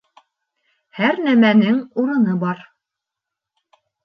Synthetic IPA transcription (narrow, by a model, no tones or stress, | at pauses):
hæɾnæmænɘŋuɾɤ̆nɤbɑɾ